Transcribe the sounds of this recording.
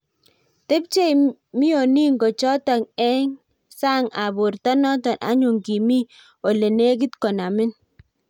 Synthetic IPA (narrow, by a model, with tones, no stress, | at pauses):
te˦p̚t͡ʃe˦jmi˦jo˨ni˦ŋɡɔ˨t͡ʃɔ˦ta˨ŋɛ˦ŋ | sa˦ŋa˨bʊ˨ɾta˦nɔ˦tɔ˨nʔa̰˨˦ɲu˨ŋki˨mi˦ | o˨le˨ne˦kɪ˦tkɔ˨na˨mɪ˦n